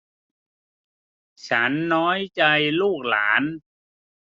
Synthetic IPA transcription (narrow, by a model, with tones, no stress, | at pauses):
t͡ɕʰa˦˥nːɔː˦˥jt͡ɕa˧jluː˥˩k̚la̰ː˩˦n